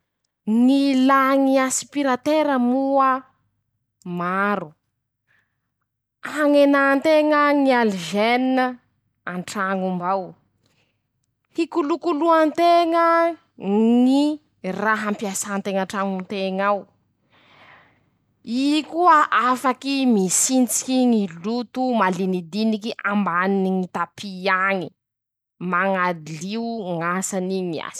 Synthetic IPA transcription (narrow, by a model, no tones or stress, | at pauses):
nilaŋiasi̥piɾat̪eɾəmuə | maɾu | aŋenant̪eŋəŋialiʒeninə | aɳʈ͡ʂaŋumbaw | hikulukuluant̪eŋə | ŋi | raɦampiasaːnt̪eŋaɳʈ͡ʂaŋunt̪eŋaw | ikuəʔafakimisint͡si̥kiŋilut̪umalinid̪inikiʔambaniniŋit̪apʰiaŋi | maŋad̪iliuŋasaniŋia̰si̥